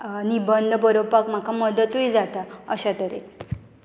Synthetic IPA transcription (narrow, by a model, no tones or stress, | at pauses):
nibənd̪ʱbəɾopakm̤akaməd̪ət̪ujd͡zat̪aəɕat̪əɾe